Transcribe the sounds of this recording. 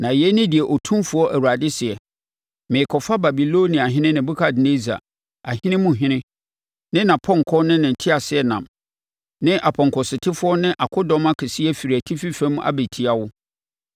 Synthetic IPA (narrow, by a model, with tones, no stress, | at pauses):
nã˨jɛ˦nɪ̃˦dɪ˨ɛ˨ʔɔ˨tʰũ˦mfʊ˨˦ɔ˦ʔæ˨wu˨ɾa˨dɪ˦sɪ˨ɛ˨ | mɪ̃˨kʰɔ˨fa˦ba˨bi˨lo˦nĩ˨a˨ɦɪ̃˦nɪ̃˦nɪ̃˨bʊ˦kʰa˨dɪ˨ne˦za̰˨ | a˨ɦɪ̃˦nɪ̃˦mʊ̃˦ɦɪ̃˦nɪ̃˦ | nɪ̃˦nã˨pʰɔ̃˦˨ŋ˨kʰɔ˦nɪ̃˦nɪ̃˨n̩˨tʰɪ˦a˨sɪ˦ɛ˨nã̰˨m | nɪ̃˦ʔa˨pʰɔ̃˨ŋkʰɔ˨sɪ˨tʰɪ˦fʊ˦ɔ˦nɪ̃˦ʔa˨kʰʊ˦dɔ̃˦ma˦kʰɛ˨si˦ɛ˦fi˨ɾi˨æ˨tʰi˦fi˦fɛ̃˦m̃˦ʔa̰˦be˨tʰi˦a˦wʊ˦